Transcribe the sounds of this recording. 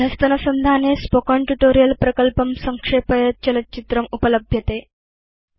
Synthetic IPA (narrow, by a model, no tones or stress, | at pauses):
d̪ʱɐst̪ənəsənd̪ʱanespokəɳʈuʈoɾijəlpɾəkəlpəmsəŋkʂepəjət͡ɕələt͡ɕit̪ɾəmupələbʱjət̪e